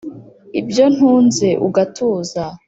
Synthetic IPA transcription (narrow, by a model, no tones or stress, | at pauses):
ibjo̞n̥huːnze̞ʔṵɡatʰuːza